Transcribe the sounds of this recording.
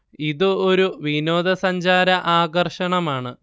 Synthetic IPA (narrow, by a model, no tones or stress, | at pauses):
iðɨo̞ɾuʋino̞ːd̪ɐsɐɲd͡ʑaːɾɐʔaːɡɐrʂɐɳɐmaːɳɨ